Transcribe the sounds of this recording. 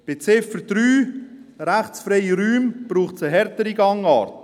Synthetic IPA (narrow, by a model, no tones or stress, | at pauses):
b̥et͡sɪfəɾd̥ɾyː | ɾæχt͡sfɾɛɪiɾyːmb̥ɾuːχt͡səɦɛɾtəɾiɡɑŋɑːɾt